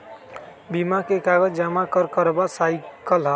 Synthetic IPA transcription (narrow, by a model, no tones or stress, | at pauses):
bimakekaɡəd͡ʒd͡ʒamakəɾkəɾbasajkəlɦə